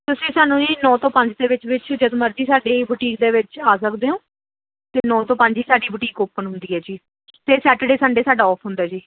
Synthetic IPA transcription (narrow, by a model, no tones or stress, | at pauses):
t̪ʊsĩːsaːnũːd͡ʒiːnɔ̃ːt̪õːpəɲd͡ʒd̪eːʋɪt͡ʃʋɪt͡ʃd͡ʒəd̪məɾd͡ʒiːsaːɖeːbʊʈiːk̚d̪eːʋɪt͡ʃaːs̬əkd̪eːõː | t̪eːnɔ̃ːt̪õːpə̃ɲd͡ʒiːsaːɖiːbʊʈiːkoːpːənɦʊnd̪iːɦɛːd͡ʒiː | t̪eːsɛːʈːɖeːsaːɖeːsaːɖaːɔːpʰɦʊ̃nd̪aːd͡ʒiː